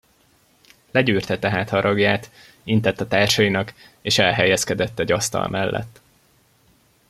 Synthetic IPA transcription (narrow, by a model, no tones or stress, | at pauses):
lɛɟyːrt̪ɛt̪ɛɦaːt̪hɒɾʔɒɡjaːt̪ | int̪ɛt̪ːɒt̪aːrʃɒjinɒk | eːʃɛlɦɛjɛskɛd̪ɛt̪ːɛɟɒst̪ɒ̰lmʔɛlːʔɛ̰t̪ː